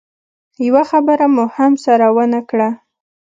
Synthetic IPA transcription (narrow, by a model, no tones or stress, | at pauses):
jawaxabəɾamʊhamsaɾawənakɽa